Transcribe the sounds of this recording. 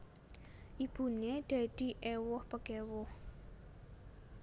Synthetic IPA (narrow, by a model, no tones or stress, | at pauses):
ʔib̥ṳneɖ̥ad̪̥i̤ʔewʊhpəɡ̥ɛwʊh